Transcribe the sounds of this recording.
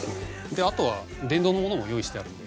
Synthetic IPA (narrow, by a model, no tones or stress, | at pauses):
o | d̪e̞at̪o̞βa | d̪ẽ̞nd̪ono̞mo̞noojo̞ːiɕi̥t̪e̞aɾɯ̟nod̪